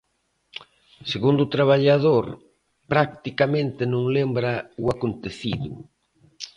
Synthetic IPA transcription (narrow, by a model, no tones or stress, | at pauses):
seɣund̪ut̪ɾaβ̞aʎaðoɾ | pɾak̚t̪ikamẽnt̪ɪnõŋlembɾɐuakont̪eθiðu